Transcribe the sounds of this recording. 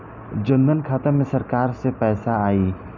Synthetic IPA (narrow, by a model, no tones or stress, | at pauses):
d͡ʒə̃nd̪ənkʰaːt̪əmẽsɐɾkaːɾsepɛːsaaːiː